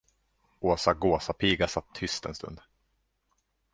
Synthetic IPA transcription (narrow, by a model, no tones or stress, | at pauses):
ʔoːsaɡoːsapʰiːɡasat̪ʰːʏst̪ɛnst̪ɵ̰nd̪